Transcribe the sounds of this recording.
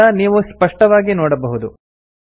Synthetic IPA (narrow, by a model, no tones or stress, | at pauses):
ɐniːʋuspɐʂʈɐʋaːɡinoːɽɐbɐɦud̪u